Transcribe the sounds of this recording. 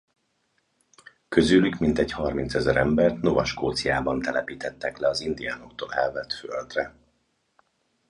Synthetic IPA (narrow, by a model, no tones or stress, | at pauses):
kø̞zyːlykmint̪ɛɟhɒrmint̪sɛzɛɾɛmbɛrt̪no̞vɒʃkoːt̪sijaːbɒnt̪ɛlɛpiːt̪ɛt̪ːɛklɛɒzind̪ijaːno̞kt̪oːlɛlvɛt̪føld̪rɛ